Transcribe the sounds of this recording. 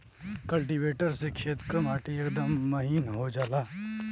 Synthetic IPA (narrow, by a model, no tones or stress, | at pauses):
kɐlʈ̬iʋeːʈəɾsekʃeːt̪kɐmaːʈijɐkd̪əmːɐɦinɦoːd͡ʒaːlaː